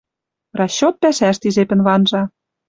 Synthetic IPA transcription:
rɑɕːot̪̚pæʃæʃt̪izepɘ̆nβɑnʒɑ

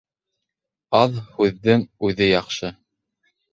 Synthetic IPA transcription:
ɑðhʉðːɘŋʉðɘjɑqʃɤ

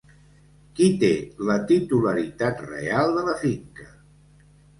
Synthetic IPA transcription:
kit̪elət̪it̪uləɾit̪at̪rḛalˠd̪ələfiŋkə

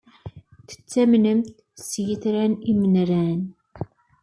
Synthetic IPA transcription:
θə̥t͡sːæmnəmt̪ | sjəθɾænimənɾæn

